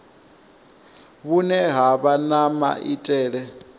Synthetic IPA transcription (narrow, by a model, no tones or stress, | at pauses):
βunɛɦaβanama̰ʔitʼɛːɺɛ